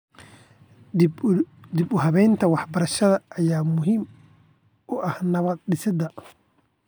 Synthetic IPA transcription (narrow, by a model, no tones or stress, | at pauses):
d̪ɪbʊɦɐβɛjnt̪ʰɐwɑħbɐɾɐʃɐðɐʔːjaːmʊɦiːm | ʔʊʔɐhnɐβɐd̪̚ɗɪsɪd̪ɐ